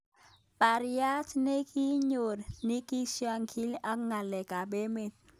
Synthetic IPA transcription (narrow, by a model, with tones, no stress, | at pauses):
pa˨ɾi˦a˦tne˦ki˦ɲo˨dni˦ki˦si˦a˦ŋkʰi˦la˦k̚ŋa˨lɛ˨ka˨ɓe˦me˨t̪̚